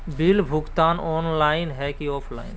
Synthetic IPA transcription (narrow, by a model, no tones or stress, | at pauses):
bilbʱʊɡt̪aːnɔːnlaːɪnɦɛkiɔːpʰla̰ːɪn